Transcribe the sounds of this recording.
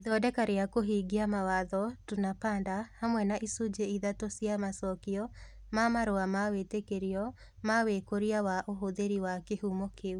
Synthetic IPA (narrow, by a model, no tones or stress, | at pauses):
iðɔdɛkaɾeakoɦiɡiamawaðɔtunapaːndahamwɛnaʔisud͡ʒeiðatosjamasɔkiɔ | mamaɾoamawetekeɾiɔ | mawekoɾiawaʔoɦoðeɾiwakehumokʰeu